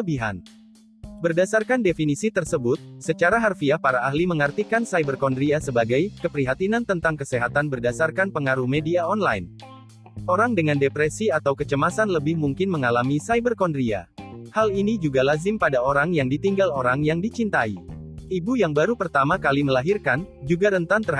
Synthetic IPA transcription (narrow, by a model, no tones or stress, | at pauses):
əbiɦa̰n | bərdasarkandefinisit̪ərsəbʊt̪̚sət͡ʃaɾaɦarfiahpaɾaːɦliməŋərt̪ikansajbərkɔndɾiasəbaɡajkəpɾiɦat̪inant̪ənt̪aŋkəseɦat̪anbərdasarkanpəŋaɾuhmediaɔnlajn | ʔoɾaŋdəŋandepɾɛsiat̪awkət͡ʃəmasanləbɪhmuŋkɪnməŋalamisajbərkɔndɾia̰halinid͡ʒuɡalazɪmpadaoɾaŋjaŋdit̪iŋɡaloɾaŋjaŋdit͡ʃint̪aiibujaŋbaɾupərt̪amakaliməlaɦirkand͡ʒuɡaɾənt̪ant̪ər